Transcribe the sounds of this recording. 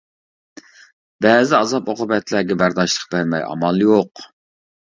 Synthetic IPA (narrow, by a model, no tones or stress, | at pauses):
b̥ɛzɪɑzɑpoqʊbɛt̪læɡʲɛbæɾd̪ɑʃlˠəq̚bæɾmɛjɑ̰mɑlˠjoq